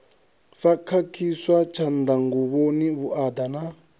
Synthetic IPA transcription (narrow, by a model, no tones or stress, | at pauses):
sakʰakʰiswat͡ʃʰand̪aŋɡuβoniβuʔad̪ana